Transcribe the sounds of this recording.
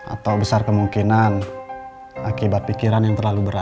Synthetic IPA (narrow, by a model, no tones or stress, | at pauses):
a̰t̪awbəsarkəmuŋkinan | akibat̪̚pikiɾanjaŋt̪ərlalubəɾa